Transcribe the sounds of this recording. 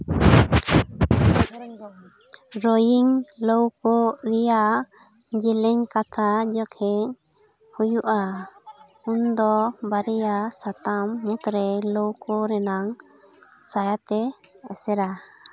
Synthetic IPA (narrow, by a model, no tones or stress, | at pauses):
ɾɔjiŋlɔwkɔɾijaʔʔ | d͡ʒɛlɛɲkat̪ʰad͡ʒɔkʰɛɲ | hujuʔa | und̪ɔbaɾɛjasat̪amːut̪ɾɛlowkɔɾɛnaŋ | sajat̪ɛːsɛɾa